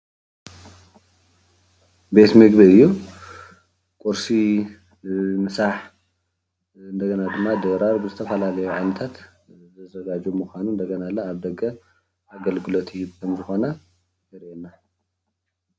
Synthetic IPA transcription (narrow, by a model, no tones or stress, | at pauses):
bet̪mɨɡbiɨjːu | kʼuɾsi | mɨsaħ | ɨnd̪ɐɡɐnad̪ɨmːad̪ɐɾaɾbɨzɨt̪ʰɐfɐlalɐjuʕa̰nɐt̪ʰat̪ | zɨzɐɡad͡ʒumuxʷanund̪ɐɡɐnalːaːβd̪ɐɡʼːɐ | aɡɐlɡɨlot̪ʰiibkʰɐmzɨxo̞nɐ | jɛɾʔenːa